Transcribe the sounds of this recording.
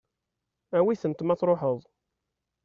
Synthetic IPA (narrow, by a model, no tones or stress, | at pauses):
æwiθənt̪mɑθɾˤoħəðˤ